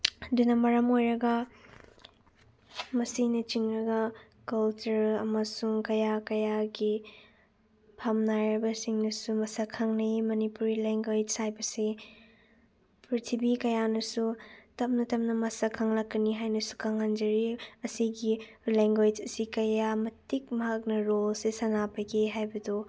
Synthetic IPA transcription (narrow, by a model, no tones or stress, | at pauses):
dunɐmɐɾɐmojɾɐɡɐ | mɐsinɐt͡ʃiŋɾɐɡɐ | kɐlt͡ʃɐɾɐmɐsuŋkɐjakɐjaɡi | pʰamnajɾɐbɐsiŋnɐsumɐsakʰɐŋnijmɐnipuɾileŋɡad͡ʒsajbɐsi | pɾit̪ʰibikɐjanɐsutɐp̚nɐtɐp̚nɐmɐsɐkʰɐŋlɐkːɐniɦajnɐsu̥kʰɐŋːɐnd͡ʒɐɾiɐsiɡi | leŋɡwed͡ʒɐsikɐjamɐtik̚mɐɦɐk̚nɐɾolsesɐnapɐkʰeɦajbɐdo